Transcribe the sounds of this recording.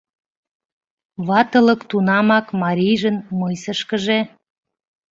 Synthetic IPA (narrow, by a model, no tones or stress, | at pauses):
βɑt̪ələkt̪unɑmɑkmɑɾʲijʒənmɤjsəʃkəʒe